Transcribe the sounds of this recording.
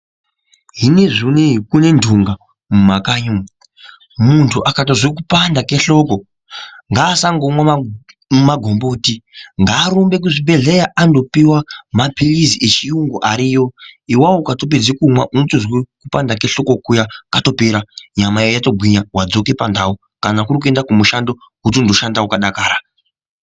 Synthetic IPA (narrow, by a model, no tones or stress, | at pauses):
ɦineʐineɦikune̞ndʱuŋɡa | mumakaɲum | muntʰuʔakatozwek̬upandakeɬo̞ko̞ | ŋɡaːsaŋɡomwa | maɡʱo̞mboːtiŋɡaːɾumbe̞k̬uʐibʱe̞ɮejaʔando̞piwamapiriziʔet͡ʃijuŋɡoʔaɾiːjo̞iwawokato̞p̬ed͡zikumwaʔunotoʐwekupandake̞ɬo̞ko̞kujakato̞peɾaɲamaijojato̞ɡʱwiɲawad͡zo̞ke̞pandao | kanakurik̬ue̞ndakumuʃando̞ | utondo̞ʃandaukaɗakaːɾa